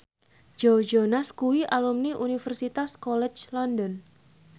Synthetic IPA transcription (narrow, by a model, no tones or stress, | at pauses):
d͡ʒowd͡ʒonaskuwiʔalumniʔunifərsit̪askɔlɛt͡ʃlɔndɔn